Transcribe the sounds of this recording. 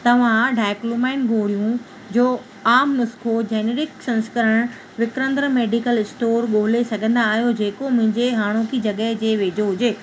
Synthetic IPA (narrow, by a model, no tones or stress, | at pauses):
t̪ɐʋ̤ãɖʱaːɪklumaːɪnɡoːɽijũ | d͡ʑoː | aːmnʊskʰod͡ʑeːneːɾɪksɐ̃nskəɾəɽ̃ | ʋɪkɾə̃nd̪ɾəmeːɖikəlɪsʈoːɾɠoːlesɐɡʱə̃nd̪aːɦijod͡ʑeːkomʊ̃ɦɪ̃ɲd͡ʑeɦaːɽ̃okʰid͡ʑɐɠəɦd͡ʑeːʋeːd͡ʑoɦʊd͡ʑeː